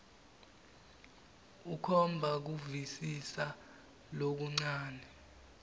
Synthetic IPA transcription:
ukʰɔmbʱak̬uvisisa | lok̬uŋ͡ǀaːnɛ

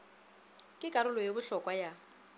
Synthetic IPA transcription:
kʼɪkʼaɾʊlɔjebʊɬɔkʼwaja

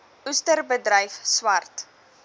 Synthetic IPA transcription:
ustərbədɾəjfswɐrt

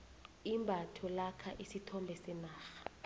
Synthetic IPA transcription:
imbʱatʰɔlakʰaʔisitʰɔmbʱɛsɛnaːxḁ

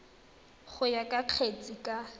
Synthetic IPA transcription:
χʊjakʼaq͡χʰet͡sʼikʼa

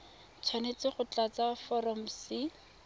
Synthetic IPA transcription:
t͡sʰwanet͡sɪχʊt͡ɬat͡safɔrɔm̩sɪ

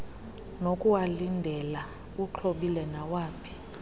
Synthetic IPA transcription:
nokʼuwalindʱɛla | ut͡ɬʰoɓilɛnawaːpʰi̥

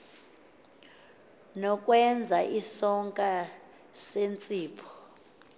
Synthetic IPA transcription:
nɔkʼwɛnd͡zʱaʔisɔŋkʼa | sent͡sʼiːpʰɔ̥

